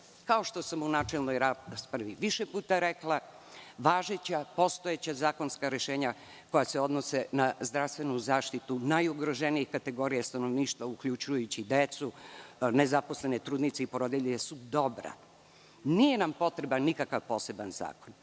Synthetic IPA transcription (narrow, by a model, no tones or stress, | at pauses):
kao̞ʃt̪o̞samunaːt͡ʃelnojɾaspɾaʋiʋiʃepuːt̪aɾeklˠa | ʋaːʒet͡ɕapo̞st̪oet͡ɕazaːko̞nskaɾe̞ʃeːɲa | ko̞jaseo̞d̪nosenazd̪ɾaʋst̪ʋe̞nuzaːʃt̪it̪unajuɡɾoʒeniixkat̪e̞ɡo̞ɾijast̪ano̞ʋniːʃt̪ʋaukʎut͡ʃujut͡ɕid̪et̪sune̞zapo̞sle̞ne̞t̪ɾuːd̪nit̪seipoɾod̪iʎiesud̪o̞bɾa̰ | nije̞nampo̞t̪ɾe̞banikakaʋpo̞se̞banza̰ːkon